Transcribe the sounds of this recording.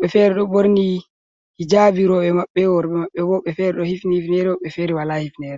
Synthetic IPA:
ɓɛfɛɾɛɗɔɓoɾni | hid͡ʒabiɾɔɓɛmaɓːɛwɔɾɓɛmaɓːɛbɔɓɛfɛɾɛɗɔhifnihifnɛɾɛɔɓɛfɛɾɛwalahifnɛɾɛ

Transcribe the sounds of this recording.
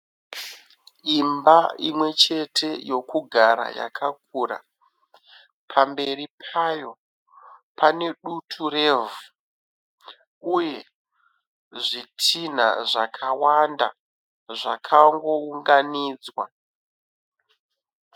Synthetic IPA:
imbaimwe̞t͡ʃe̞tʰe̞jo̞kuɡʱaɾa̰ja̰kʰak̚ura̰ | pʰambe̞ripʰajo̞ | pane̞ɗutʰure̞vu | uje̞ | ʐitʰin̤a̰ʐakʰawanda̰ | ʐakʰaŋɡo̞uŋɡaniːd͡zwa

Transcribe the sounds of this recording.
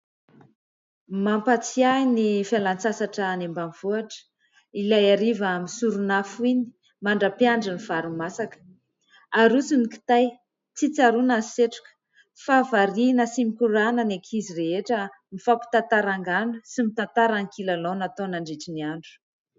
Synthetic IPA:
mampat͡siainifialant͡sasaʈ͡ʂəːnembaniv̥uaʈ͡ʂə̥ | ilajaɾivaamisuɾunafuini̥ | maɳɖ͡ʐapiaɳɖ͡ʐiniv̥aɾumasakə̥ | aɾusiniki̥t̪aj | t͡sit͡saɾunaseʈ͡ʂu̥kə̥ | favaɾinəsimikuɾanənekʰizireɦeʈ͡ʂə | mifapu̥t̪ant̪aɾaŋɡanusimit̪ant̪aɾaŋkʰilalonat̪onaɳɖ͡ʐeʈ͡ʂiniaɳɖ͡ʐu̥

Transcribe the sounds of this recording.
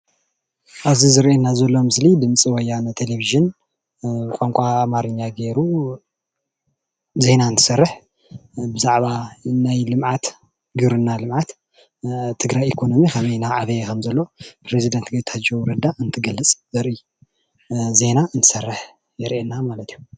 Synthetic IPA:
ʔaβzizɨɾʔenazɐlːo̞mɨslid̪ɨmt͡sʼiwɔjːant̪ʰeleviʒɨn | bɨkʼoŋkʷʼaːmaɾɨɲːaɡe̞ɾu | ze̞naɨnt̪ʰɨ̥sɐrːɨħ | bɨzaʕβanajlɨmʕat̪ | ɡɨɾɨnːalɨmʕat̪ | t̪ʰːɨɡɾajikʰo̞no̞mikʰɐβɐjnaʕaβɐjekʰɐmzɐlːo̞pʰɾezid̪ɐnt̪ɡɐt̪ʰad͡ʒowɾɐd̪aʔɨnt̪ʰɨɡɐlːɨt͡sʼzɐɾʔi | ze̞naɨnt̪ʰɨ̥sɐrːɨħ | jɛɾʔenːamalɐt̪ʰijːu

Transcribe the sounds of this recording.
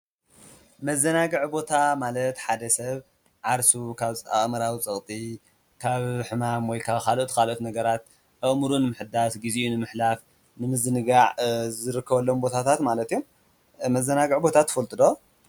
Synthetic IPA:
mɐzːɐnaɡɨʕbo̞t̪ʰamalɐt̪ħad̪ɐsɐβ | ʕaɾsukʰaβt͡sʼa̰χmɐɾawit͡sʼɨχʼt̪ʼi | kʰaβħɨmamwɔjkʰaβkʰalʔot̪kʰalot̪nɐɡɐɾat̪ | ʔɨʔmuɾunɨmɨħɨd̪asɡiziʔunɨmɨħlaf | nɨmɨzɨnɨɡaʕzɨɾɨkʰːɐβɐlːombo̞t̪ʰat̪ʰat̪malɐt̪ijum | mɐzːɐnaɡɨʕbo̞t̪ʰat̪ʰːɨ̥fɐlt̪ʼɨd̪o

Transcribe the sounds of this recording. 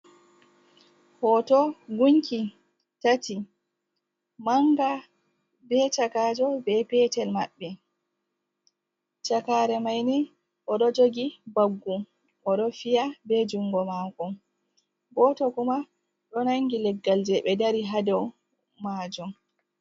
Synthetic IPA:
hɔtɔɡuɲki | tati | maŋɡa | bɛt͡ʃakaːd͡ʒɔbɛpɛtɛlma̰ɓːɛ | t͡ʃakaɾɛmajni | ʔɔɗɔd͡ʒoɡibaɡːu | ʔɔɗɔfijabɛd͡ʒuŋɡɔmakɔm | bɔtɔkuma | ɗɔnaŋɡilɛɡːald͡ʒɛɓɛdaɾiɦadɛw | maːd͡ʒɔm

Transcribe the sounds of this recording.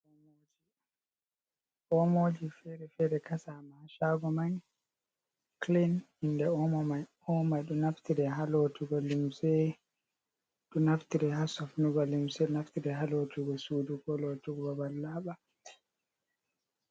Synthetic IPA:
mod͡ʒi | ʔɔmod͡ʒifɛɾɛfɛɾɛkasamaʃaɡɔmaɲ | klin | indɛɔmɔmaj | ɔmajɗunaftiɾɛɦalotʰuɡɔlimsɛ | ɗunaftiɾɛhasɔfnuɡalimsɛnaftiɾɛɦalotuɡɔsuduɡɔlotuɡɔbalːaɓa

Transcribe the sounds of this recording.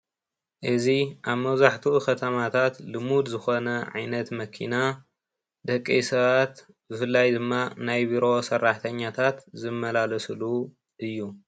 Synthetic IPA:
ʔɨziʔaβmɐwzaħt̪ʰukɐt̪ʰɐmat̪ʰat̪lɨmud̪zɨxo̞nɐʕa̰jnɐt̪mɐkʰḭna | d̪ɐkʼːejsɐβat̪ | bɨfɨlːajd̪ɨmːanajbiɾo̞sɐrːaħt̪ʰɐɲːat̪ʰat̪zɨmːɐlalɐslu | ʔɨjːu

